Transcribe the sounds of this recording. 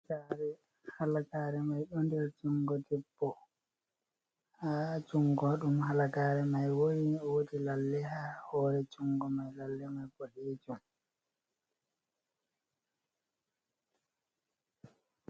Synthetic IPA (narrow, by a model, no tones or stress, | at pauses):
aɾɛ | halakaːɾɛmajɗɔndɛlt͡ʃuŋɡɔdɛbːɔ | hat͡ʃuŋɡɔɗumhalakaːɾɛmajwojiɔwodilalːɛhahɔːɾɛt͡ʃuŋɡɔmajlalːɛmajbɔdeːd͡ʒum